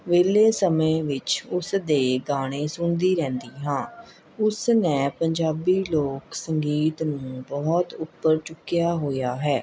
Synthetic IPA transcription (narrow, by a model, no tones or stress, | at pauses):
ʋeːleːsəmẽːʋɪt͡ʃʊsd̪eːɡaːɽ̃ẽːsʊɳd̪iːɾɛ̃ːnd̪iːɦãː | ʊsnɛːpəɲd͡ʒaːbiːloːksəŋɡiːt̪nũːbɔːt̪ʊpːəɾt͡ʃʊkːjaːɦoːjaːɦɛː